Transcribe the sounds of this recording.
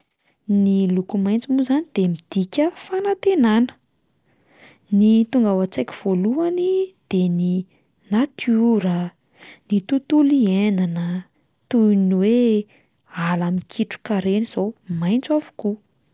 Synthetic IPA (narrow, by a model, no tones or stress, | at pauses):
nilukumajnt͡simuzanid̪̥emid̪̥ikʲəfanat̪enanə̥ | nit̪uŋɡawat͡sajkʲi̥v̥oluanid̪̥eni | nat̪ʰuɾə | nit̪ut̪ulienanə | t̪ujiniwe | alamikʰiʈ͡ʂu̥kaɾeniz̥omajnt͡savu̥ku